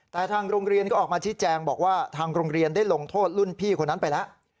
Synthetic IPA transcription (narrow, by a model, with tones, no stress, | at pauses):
t̪ɛː˨˩t̪ʰaː˧ŋɾo˧ŋɾi˧ənkɔː˥˩ʔːk̚maː˧t͡ɕʰiː˦˥t͡ɕɛː˧ŋbɔː˨˩k̚waː˥˩t̪ʰaː˧ŋɾoː˧ŋɾi˧əndaː˥˩jlo˧ŋt̪ʰoː˥˩t̪̚lu˥˩npʰiː˥˩kʰo˧nːa˦˥npa˧jlɛ˦˥ʔ